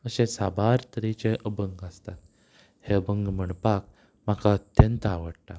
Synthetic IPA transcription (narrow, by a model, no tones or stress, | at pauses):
əɕesabaɾt̪əɾit͡ɕeʔəbəŋɡəst̪at̪̚ | heəbəŋɡm̤əɳpak̚ | m̤akaət̪jənt̪aʋəɽʈa